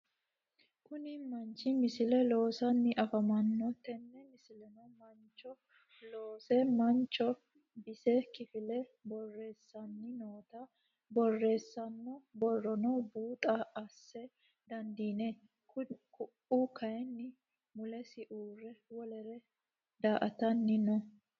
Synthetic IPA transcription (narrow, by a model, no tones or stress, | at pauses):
kʊnɪmɐnt͡ʃːɪmɪsɪlɛlo̞ːsɐnːɪʔɐfɐmɐnːɔt̪ɛnːɛmɪsɪlɛnɔmɐnt͡ʃːɔ | loːsɛmɐnt͡ʃːɔ | bɪsɛkɪfɪlɛbɔrːe̞ːsːɐnːɪnoːt̪ɐ | bɔrːe̞ːsːɐnːɔbɔrːɔnɔbuːt̪ʼɐɐsːɛ | d̪ɐnd̪iːnɛ | kʊ | ukɐjɛnːɪ | mʊlɛsɪʔuːrɛwɔlɛɾɛ | d̪aːʔɐt̪ɐnːɪnɔ